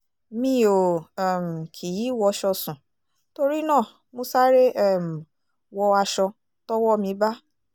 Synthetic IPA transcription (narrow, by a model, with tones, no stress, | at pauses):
mĩ˧o˨ɛ˨m̩˨kʰi˨ji˨˦˨wɔ˧ʃɔ˧sũ˨ | to˧ɾi˦nãː˦˨ | mo˧˦sa˦ɾe˦ɛ˦˨m̩˨ | wɔ˧a˧ʃɔ˧ | tɔ˦wɔ˦mĩ˧ba˦